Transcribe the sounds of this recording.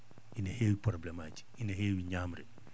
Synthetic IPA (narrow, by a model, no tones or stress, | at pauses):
ʔinɐheːwipɾɔblɛmaːci̥ʔinɐɦeːwiɲaːmɾɛ